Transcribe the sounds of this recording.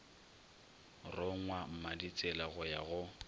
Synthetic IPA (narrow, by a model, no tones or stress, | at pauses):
rʊŋwam̩madit͡sʼɛlaɣʊjaɣʊ